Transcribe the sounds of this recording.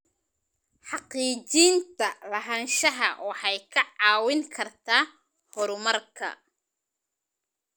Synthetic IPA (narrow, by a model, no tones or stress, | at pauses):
ħɑqiːt͡ʃiːnt̪ʰɐlɐɦaːnʃɐɦɐ̰wɑħɑjkʰɐʕɑːwɪŋkʰɐrt̪ʰaː | hɔɾʊmɐrkʰɐ̰